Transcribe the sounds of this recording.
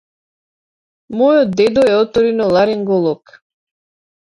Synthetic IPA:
mɔjɔd̪̚d̪ɛd̪ɔɛɔt̪ɔɾinɔlˠaɾɛŋɡɔlˠɔk

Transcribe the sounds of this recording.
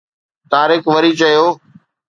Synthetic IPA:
t̪aːɾɪkʋəɾiːt͡ʃɐjoː

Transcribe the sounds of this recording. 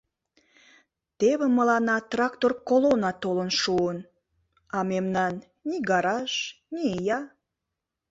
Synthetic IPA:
t̪eβə̆məlɑnɑt̪rɑkt̪orkolonɑt̪olənʃuən | ɑmemnɑnː | iɡɑɾɑʃ | niejɑ

